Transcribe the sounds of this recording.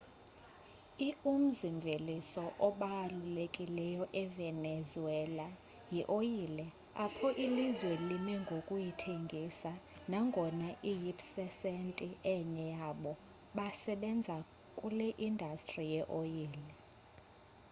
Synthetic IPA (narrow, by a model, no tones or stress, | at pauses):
ium̩ziɱvʱelisɔʔɔɓalulekʼilɛjɔʔɛvɛnɛzuɛla | jiʔojilɛ | apʰɔʔilizwelimɛŋɡʱokʼujitʰeŋɡʱisanaŋɡʱɔnaʔijipsɛsentʼiɛɲɛjaɓɔ | ɓasɛɓɛnd͡zʱa | kʼulɛʔindʱastʼrijɛʔojiːlɛ